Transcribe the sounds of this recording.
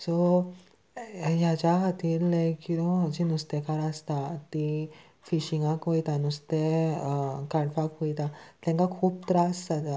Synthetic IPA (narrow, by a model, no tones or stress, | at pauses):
sɔ | jat͡ɕakat̪iːɾlekiɾɔ̃d͡ʑinust̪ekaɾast̪at̪i | fiɕiŋɡãkojt̪anust̪e | kaɽfakɦojt̪at̪ãŋkakʰuːp̚t̪ɾasat̪a